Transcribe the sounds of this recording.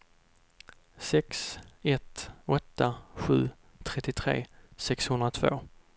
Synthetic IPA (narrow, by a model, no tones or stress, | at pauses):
sɛksɛt̪ɔt̪ːaɧʉ̟̰ː | t̪ʰɾɛt̪ːɪt̪ʰɾḛːsɛkshɵnd̪ɾat̪ʰvo̰ː